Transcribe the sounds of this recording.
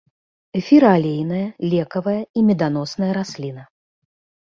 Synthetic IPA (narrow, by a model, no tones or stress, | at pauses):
fʲiɾaːlʲejnɐjɐlʲɛkɐvɐjɐimʲɛd̪an̪ɔsnɐjɐɾasʲlʲinɐ